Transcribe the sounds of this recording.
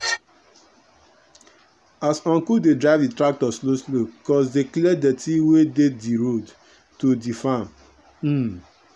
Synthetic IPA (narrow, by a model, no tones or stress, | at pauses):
asɔ̃ŋkudedɾaɪvditɾak̚tɔsloslobikɔsdeklɛdetʰiwedediɾod | todifãm̩